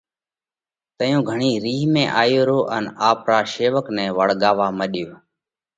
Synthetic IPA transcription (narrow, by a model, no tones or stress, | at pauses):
t̪əjõːɡʱəɳiːɾiːɦmẽːʔaːjoːɾoːʔənaːpɾaːʃeːʋəknɛ̃ːʋəɽ̤ɠaːʋaːməɗɪjoː